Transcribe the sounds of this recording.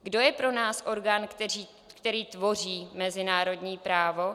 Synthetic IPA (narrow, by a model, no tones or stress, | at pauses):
ɡdo̞jɛpɾo̞naːsʔo̞ɾɡaːniː | kt̪ɛɾiːt̪vo̞r̝iːmɛzɪnaːɾo̞dɲiːpɾaːvo̞